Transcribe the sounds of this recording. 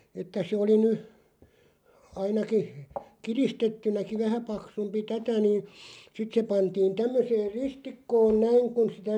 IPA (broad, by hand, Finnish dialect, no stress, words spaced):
etːæ se oli ny ɑinɑki kiristetːynæki ʋæhæ pɑksumpi tætæ niːn̞ sit se pɑntiːn tæmːøseːr̆ ristikːoːn næiŋ kun sitæ